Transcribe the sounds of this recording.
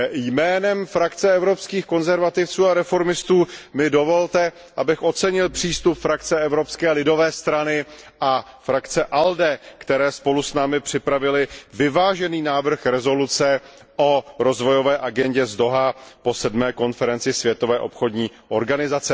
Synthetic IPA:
jmɛːnɛmfɾakt͡sɛɛvɾo̞pskiːxko̞nzɛɾvat̪ɪft͡suːaɾɛfo̞ɾmɪst̪uːmɪdo̞vo̞lt̪ɛ | ʔabɪxʔo̞t͡sɛɲɪlpr̝̥iːst̪upfɾakt͡sɛɛvɾo̞pskɛːlɪdo̞vɛːst̪ɾanɪ | ʔa | fɾakt͡sɛʔaldɛkt̪ɛɾɛːspo̞lusnaːmɪpr̝̥ɪpɾavɪlɪvɪvaːʒɛniːnaːvr̩xɾɛzo̞lut͡sɛ | ʔoɾo̞zvo̞jo̞vɛːʔaɡɛɲɟɛzdo̞ɦapo̞sɛdmɛːko̞nfɛɾɛnt͡sɪsvjɛt̪o̞vɛːʔo̞̰pxo̞dɲiːʔo̞̰ɾɡanɪzat͡sɛ

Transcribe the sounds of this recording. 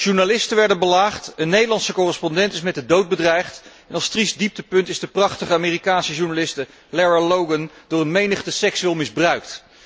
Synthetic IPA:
ʒ̥uɹnalɪstənʋɛɹdənbəlaːχtənːejdəlɑnsəkʊrəspɔndɛntɪsmɛt̚dədowt̚bədrɛjχt | ɛnɑlˠstrisdip̚təpɵntɪzdəprɑχtəχəaːmiːrikaːnsəʒuɹnalɪstə | lɛɹalowɡəndʊːrənmejnəχtəsɛksʋɪlˠmɪzbrœɥkt

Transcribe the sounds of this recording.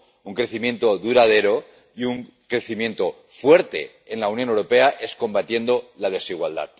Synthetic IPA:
uŋkɾe̞θimje̞nt̪o̞ðuɾað̞e̞ɾo̞ | iuŋ | kɾe̞θimjẽ̞nt̪o̞ | fwe̞ɾt̪e̞̰ | enlaunjo̞newɾo̞pe̞aʔe̞sko̞mbat̪jend̪o̞lað̞e̞siɣ̞wa̰ld̪a̰t̪̚

